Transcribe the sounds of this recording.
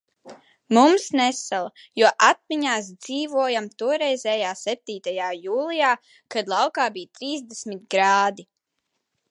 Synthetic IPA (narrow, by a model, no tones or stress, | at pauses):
mumsnɛsalˠa | juɔʔat̪̚miɲaːs̬d̪z̥iːvuɔjamt̪uɔɾɛjzɛːjaːsɛp̚t̪iːt̪ajaːjuːlˠijaː | kad̪lˠawkaːbijt̪ɾiːzd̪esmit̪̚ɡɾaːd̪i